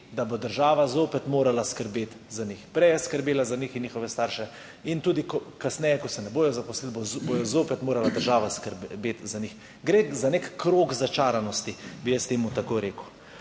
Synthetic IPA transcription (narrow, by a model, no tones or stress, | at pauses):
d̪abod̪əɾʒaːʋazoːpɛt̪moːɾalaskəɾbeːt̪zanixpɾɛjɛskəɾbeːlazanixinɲiːxɔʋɛst̪aːɾʃɛ | int̪uːd̪ikɔkasnɛjɛkɔsɛnɛboːjɔzapɔslilbobojɔzoːpɛt̪moːɾalad̪əɾʒaːʋaskəɾbeːt̪zanix | ɡɾezanekkɾoːkzat͡ʃaːɾanɔst̪ibijɛst̪eːmut̪akoɾeːkʊ